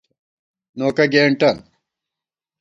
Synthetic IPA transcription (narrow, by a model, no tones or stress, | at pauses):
noːkɐɡeːɳʈɐn